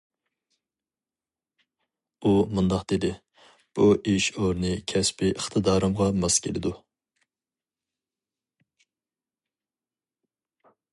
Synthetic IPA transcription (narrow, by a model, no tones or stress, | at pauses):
umund̪ɑqd̪̥ed̪ɪ | b̥uʔiʃoɾnɨkʲʰɛspʰɪʔəχt̪ʰɨd̪ɑːɾɨmʁɑmɑskʲʰelɪd̪u